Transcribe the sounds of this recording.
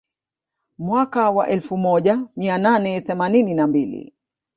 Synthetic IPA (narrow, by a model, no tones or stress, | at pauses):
mwakawa̰ʔɛlfumɔʄamiananɛθɛmanininambilḭ